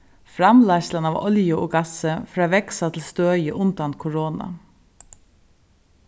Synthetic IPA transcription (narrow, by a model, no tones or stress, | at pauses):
fɾɑmlɑːʃlənɑːʋɔ̰ljəʔoːɡɑsəfɾɑːʋɛksɑt̪ʰl̩st̪øːjəʔʉnd̪ɑnt̪̚kʰʊɹoːnɑ̰